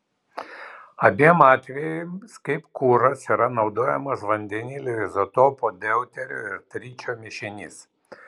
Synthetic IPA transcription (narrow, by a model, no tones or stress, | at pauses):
ɐbʲiɛmɑːt̪ʲʋʲɛjʊskɐɪpkuːɾɐsiːɾɐnɒʊd̪oːjɛmɐsʋɐnʲd̪ʲɛnʲiːlʲɪɾʲɪzɐt̪oːpod̪ʲɛʊt̪ʲɛɾʲo̰ːɪɾt̪ʲɾʲiːt͡ʃʲoːmʲɪʃʲɪnʲɪs